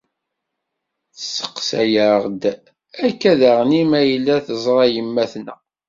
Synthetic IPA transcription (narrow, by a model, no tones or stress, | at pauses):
θəsːə̥qsæjəʁd̪ | ækːæðæʁnimæjəlːæθəzˤɾˤɑjəmːæθnæ̰